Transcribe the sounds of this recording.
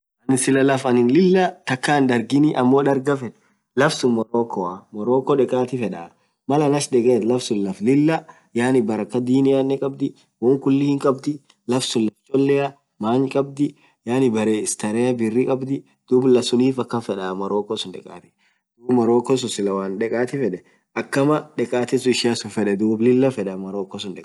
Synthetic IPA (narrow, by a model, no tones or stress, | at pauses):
ɐnɪsɪlɐlɐfɐnɪnlɪlːɐt̪ɐkːaːnd̪ɐɾɡɪniʔɐmːo̞ːᶑɐɾɡɐfɛᶑ | lɐfsʊnmɐɾoːkːɔɐmɐɾoːkːɔᶑɛkʼaːt̪ɪfɛᶑɐa̰ | mɐlɐnɐʃd̪ɛkʼeːt̪lɐfsʊnlɐflɪlːɐ | jaːnɪbɐɾɐkːɐd̪iːnɪjaːnːɛkʼɐbd̪ɪ | wɔŋkʊlːɪhɪŋkʼɐbd̪ɪ | lɐfsʊlːɐft͡ʃʼɔlːɛɐ | maːɲkʼɐb̚d̪ɪ | jaːnɪbɐɾeːɪst̪ɐɾɛɐbɪrːɪkʼɐbd̪ɪ | d̪̥uːblɐsʊniːfɐkːɐfɛᶑɐmɐɾoːkːɔsʊnᶑɛkʼa̰ːt̪ɪ̥ | d̥̪uːbmɐɾoːkɔs̬ʊsɪlɐwaːnᶑɛkʼaːt̪ɪfɛᶑɛ | ʔɐkːɐmɐᶑɛkʼaːt̪ɪsʊɪʃɪasʊfɛᶑɛd̪uːblɪlːɐfɛᶑɐmɐɾoːkːɔsʊnᶑɛkʼː